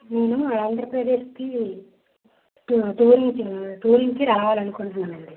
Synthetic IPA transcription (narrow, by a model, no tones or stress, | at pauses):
neːnuɐaːnd̪ɾɐpɾɐd̪e̞ːʃki | ut̪uːɾiŋt͡ʃit̪uːɾiŋkiɾɐlɐʋaːlɐnukuɳʈunɐnɐɳɖi